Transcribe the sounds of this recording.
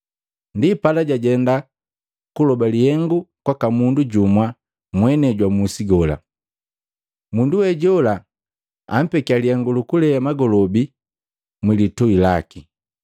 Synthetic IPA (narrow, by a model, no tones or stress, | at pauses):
ndipalaɟaɟɛnda | kulɔbalihɛŋɡukwakamunduɟumwa | mwɛnɛɟwamusiɡɔla̰ | munduwɛɟɔla | a̰m̩pɛkialihɛŋɡulukulɛjamaɡɔlɔbi | mwilitɔilaki